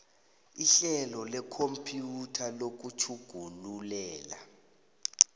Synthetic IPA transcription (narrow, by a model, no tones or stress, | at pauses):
iɬɛlɔlɛkʰompʰʼjutʰalok̬ut͡ʃʰuɡ̥ʱunulɛːla